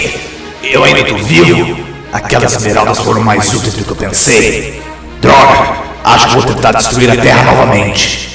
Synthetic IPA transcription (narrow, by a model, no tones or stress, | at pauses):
ewaĩnd̪ɐt̪ovivʊ | a̰kɛlɐsmeɾawd̪ɐsfoɾɐ̃majzut̪iwzd̪ʊkɪewpẽsej | d̪ɾɔɡ | aʃʊ̥kɪvowt̪ẽnt̪aɾd͡ʒ̪ɪst̪ɾuiɾɐt̪ɛɦɐnɔvɐmẽnt͡ʃɪ̥